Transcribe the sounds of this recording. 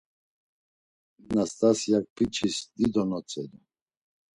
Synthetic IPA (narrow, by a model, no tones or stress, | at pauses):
nast̪ʼasijak̚pʰʼit͡ʃʰisd̪id̪ɔnɔt͡sʼɛd̪ɔ